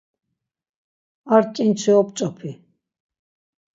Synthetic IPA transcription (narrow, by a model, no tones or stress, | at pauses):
aɾkʼint͡sʰiɔpt͡ʃʼɔpʰi